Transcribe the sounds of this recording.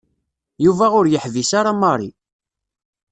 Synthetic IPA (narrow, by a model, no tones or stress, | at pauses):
juvæʁʊɾjəħvisaɾamɑɾˤḭ